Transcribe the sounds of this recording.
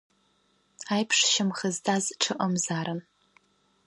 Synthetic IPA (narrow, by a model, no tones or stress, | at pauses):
ajpʰʂʃɪmχəztʰazʈ͡ʂʰɨʔɐmzaːɾɨn